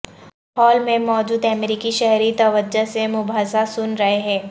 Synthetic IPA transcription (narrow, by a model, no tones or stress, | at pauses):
hɔːlmẽmɔːd͡ʒuːd̪ɛmɾiːkiʃɛɦɾit̪ɐʋəd͡ʒasemʊbʱaːsasʊnɾɐɦeɦɛ̃ː